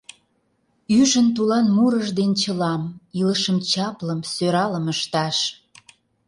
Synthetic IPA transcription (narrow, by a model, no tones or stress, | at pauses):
yʒənt̪ulɑnmuɾəʒd̪ent͡ɕə̆lɑmiləʃəmt͡ɕɑpləmsøɾɑləməʃt̪ɑʃ